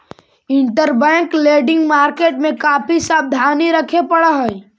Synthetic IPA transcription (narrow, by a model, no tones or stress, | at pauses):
ɪ̃ɳʈəɾbɛ̃ːkleːɖɪ̃ŋɡmaːɾkeːʈmẽkaːpʰisaːb̚d̪ʱaːniɾəkʰepəɽaɦɛi